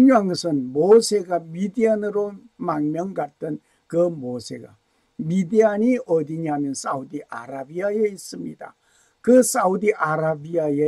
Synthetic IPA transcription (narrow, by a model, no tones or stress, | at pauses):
ɲuaŋɡɯsənboseɡabidianɯɾomaŋmjəŋɡatːən | kɯboseɡa̰ | bidianiod̪iɲaminsaud̪iʔa̰ɾabiajəjsɨmḭt̪a̰ | kɯsaudiʔaɾabiajə